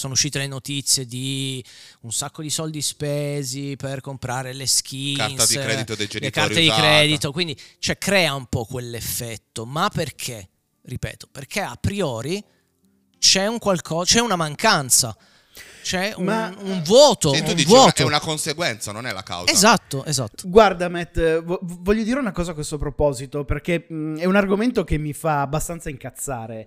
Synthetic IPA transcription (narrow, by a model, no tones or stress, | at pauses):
soːnouʃːiːt̪elenot̪it̪sːjed̪i | unsakːod̪isɔld̪ispeːziperkompɾaːɾelesk̟insɛdit̪od̪ed͡ʒelekart̪ed̪ikɾɛːd̪it̪okwind̪it͡ʃoɛkɾɛːaumpɔkːwelːefːɛt̪ːomapːerkʰe | ripɛ̰ːt̪o̥perkʰeapːɾiɔːɾi | t͡ʃɛuŋkwalkʰɔt͡ʃɛunamaŋkant̪sa̰ | t͡ʃɛuauɱvwɔːt̪ot̪ud̪ivwɔːt̪oɛunakonseɡwɛnt̪sanonɛla̰ka̰wezat̪ːoʔeza̰t̪ːo̥ɡward̪amɛt̪ːvɔvɔʎːod̪iːɾeunakɔːzakːwest̪opɾopɔːzit̪operkeɛunarɡoment̪ok̟emːifaːbːast̪ant̪saiŋkat̪sːaːɾe